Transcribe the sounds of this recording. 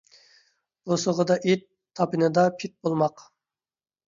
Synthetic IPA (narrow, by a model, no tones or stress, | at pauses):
bosəʁəd̪ɑʔet̪ʰːɑpɨnɨd̪ɑpʰit̪̚bolˠmɑq